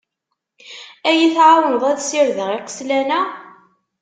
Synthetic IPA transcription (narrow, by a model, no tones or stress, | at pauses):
æjiθʕawənəðˤæðsiɾðəʁiqə̥slænæ